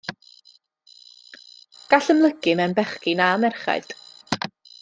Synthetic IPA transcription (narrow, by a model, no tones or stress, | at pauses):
ɡ̥aɬəmlˠəɡɨmɛnbɛχkɪnamɛrχa̰jd̥